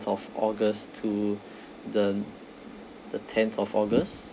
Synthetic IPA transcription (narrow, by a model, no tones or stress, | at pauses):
tɔfɔɡəstʰu | də | dətʰɛ̃nθɔfɔɡəs